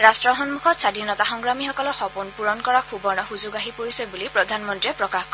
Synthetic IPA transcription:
ɹastɹɔɦɔnmukʰɔtsadʱinɔtaxɔŋɡɹamixɔkɔlɔxɔpunpuɹɔnkɔɹakʰubɔɹnɔxuzʊɡaɦipoɹisɛbulipɹɔdʱanmɔntɹiɛpɹɔkaxkɔ

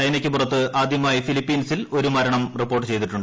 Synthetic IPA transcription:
ɐjnɐkʲːɨpurɐt̪ːɨaːd̪ʱjɐmaːjifilipːiːnsilo̞ɾumɐɾɐɳɐmripːo̞ːrʈːɨt͡ɕe̞jt̪̬iʈːuɳɖ

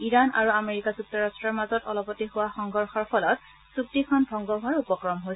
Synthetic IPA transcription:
iɹana̰ɹuameɹikazuk̚tɔɹastɹɔɹmazɔtɔlɔpɔtihʊwaxɔŋɡɔɹxɔɹpʰɔlɔt̚ | suk̚tikʰɔnbʱɔŋɡɔɡʱɔɹupɔkɹɔmɦojs

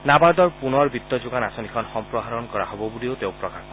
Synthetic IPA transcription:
nabaɾd̪ɔɹpunɔɾbit̪ːɔd͡ʒuɡanasɔnikʰɔnxɔmpɾɔɦaɾɔnkɔɾa̰hɔbɔbuliot̪ewpɾɔkaɾɔ

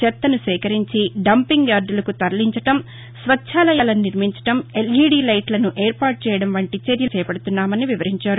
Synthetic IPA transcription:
t͡ʃɛt̪ːɐnusʋɛːkɐɾiɲt͡ʃiɖɐmpiŋɡjaːɾɖulɐkut̪ɐɾɐliɲt͡ʃɐʈɐm | sʋɐtːʰaːlɐjaːlɐnniɾmiɲt͡ʃɐ̥ʈɐmeliːɽiːlɐjʈlɐnuʔeːɾpaːɾʈ̚t͡ʃɛːjɐɽɐmʋɐɳʈit͡ʃeɾjɐt͡ʃɛːpɐɽut̪unːaːmɐniʋiʋɐɾiɲt͡ʃaːɾu

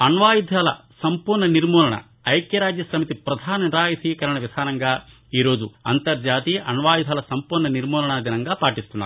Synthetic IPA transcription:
ɐnʋaːjid̪ʱɐlɐsɐmpuːɾɳɐniɾmɔːlɐɳɐ̰ | ɐjkjɐɾaːd͡ʒjɐsɐmit̪ipɾɐd̪ʱaːnɐnɾaːjɐsikɐɾɐɳɐʋid̪ʱaːnɐŋɡa | iːɾoːd͡ʒ̪uɐ̰nt̪ɐɾd͡ʒaːt̪iʔɐnʋaːjid̪ʱɐlɐsɐmpuːɾɳɐniɾmɔːlɐɳɐd̪inɐŋɡɐpaːʈist̪unːa̰ːɾ

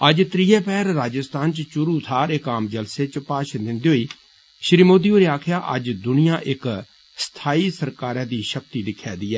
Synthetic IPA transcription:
əd͡ʒt̪ɾiːɛːpɛːɾːaːd͡ʒəst̪aːnt͡ʃt͡ʃʊɾuːt̪ʰaːɾɪkaːmd͡ʒəlseːt͡ʃpaːʃd̪ɪnd̪iːɦoiː | ʃɾiːmoːd̪iːoːɾeːaːkʰjaːʔə̰d͡ʒd̪ʊnɪjãːʔɪk | st̪ʰaːiːsəɾkaːɾãːd̪iːʃək̚t̪iːd̪ɪkʰːɛːd̪iːɛː

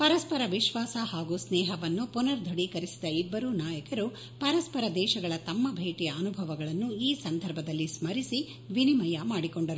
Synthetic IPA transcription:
pɐɾɐspɐɾɐʋiʃʋaːsɐhaːɡusnɛːɦɐʋɐnːupunɐɾd̪ʱoɽikɐɾisid̪ɐibːɐɾuːnaːjɐkɐɾu | pɐɾɐspɐɾɐd̪ɛːʃɐɡɐɭɐt̪ɐmːɐbʱeːʈijɐɐnubʱɐʋɐɡɐɭɐnːuiːsɐnd̪ʱɐɾbʱɐd̪ɐlːismɐɾisi | ʋinimɐjɐmaːɽikoɳɖɐɾu

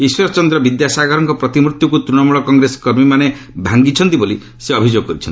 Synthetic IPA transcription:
iswɔɾɔt͡ʃɔnd̪ɾɔbid̪jasaɡɔɾɔŋkɔpɾɔt̪imɾut̪jɔkut̪ɾunɔmuɭɔkɔŋɡɾesɔ̥kɔɾmimane | bʱaŋɡit͡ʃʰɔnt̪iboli | seɔbʱid͡ʒoɡɔkɔɾit͡ʃʰɔn

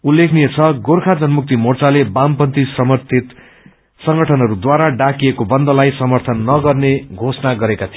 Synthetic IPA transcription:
ulːekʰnijet͡sʰʌɡorkʰad͡zʌnmuk̚t̪imort͡salebampʌnt̪isʌmʌt̪ʰit̪ | sʌŋɡʌʈʰʌnɦʌɾud̪waɾaɖakijekobʌnd̪ʌlajsʌmʌrt̪ʰʌnːʌɡʌrneɡʱosʌnaɡʌɾekat̪ʰij

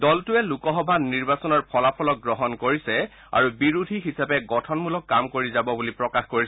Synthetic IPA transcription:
dɔltʊɛlukɔɦɔbʱaniɹbasɔnɔɹpʰɔlapʰɔlɔk̚ɡɹɔɦɔnkoɹisɛ | a̰ɹubiɹudʱiɦisapɛɡɔtʰɔnmulɔkːamkoɹizabɔbulipɹɔkaxkoɹisɛ

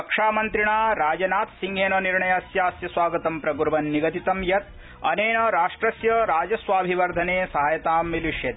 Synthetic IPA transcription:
pɐkʂaːmɐnt̪ɾiɳaːɾaːd͡ʒɐnaːt̪siŋɡʱeːnɐniɾɳɐjɐsjaːsjɐsʋaːɡɐt̪ɐmpɾɐɡuɾʋɐnːiɡɐt̪it̪ɐmjɐt̪̚ | ɐneːnɐɾaːʂʈɾɐsjɐɾaːd͡ʒɐsʋaːbʱiʋɐɾd̪ʱɐneːsɐɦɐjɐt̪aːmʋiliʂjɐt̪

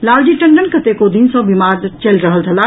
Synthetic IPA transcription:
laːld͡ʒiʈə̃ɳɖənkət̪ekod̪insɔ̃bimaːɾt͡ʃəlɾəɦəlt̪ʰəla

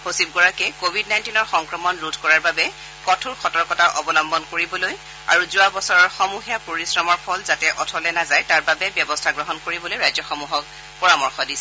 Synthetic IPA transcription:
hosib̚ɡɔɹakɛkobʱidnajntinɔɹxɔŋkɹɔmɔnludʰʱkɔɹaɹbabɛ | kɔtʰuɹxʰɔtɔɹkɔtaʔɔbɔlɔmbɔnkoɹibɔloj | a̰ɹuzʊabɔsɔɹɔɹxɔmuxiapoɹisɹɔmɔɹpʰɔlzatɛʔɔtʰɔlɛnazajtaɹbabɛbjɔbɔstʰaɡɹɔɦɔnkoɹibɔlojɹajzɔxɔmuɦɔk | pɔɹamɔɹxɔdisɛ

